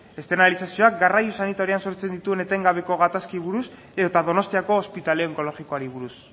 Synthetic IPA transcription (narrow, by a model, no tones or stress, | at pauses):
e̞st̪enalisasio̞ak̚ɡarajusanit̪aɾianso̞ɾt͡se̞nd̪it̪ue̞ne̞t̪e̞ŋɡaβe̞ko̞ɣat̪askiβuɾus | eðot̪aðo̞no̞st̪iako̞ːspit̪aleoŋko̞lo̞ɣiko̞aɾiβ̞uɾus